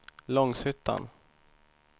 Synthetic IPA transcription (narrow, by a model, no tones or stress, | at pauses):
lɔŋsʏt̪ʰːa̰n